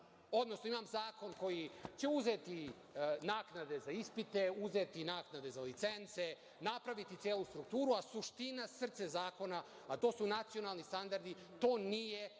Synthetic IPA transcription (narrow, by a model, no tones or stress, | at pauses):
o̞d̪no̞snoimaːmzaːko̞nko̞jit͡ɕe̞uze̞t̪i | naːknad̪e̞zaispit̪e̞uze̞t̪inaːknad̪e̞zalit̪se̞nt̪se | napɾaʋit̪it̪sjeːlust̪ɾuk̚t̪uːɾuasuʃt̪inasr̩t̪sezaːko̞naː | t̪o̞ːsunat̪sio̞nalˠnist̪and̪aɾd̪i | t̪o̞ːnije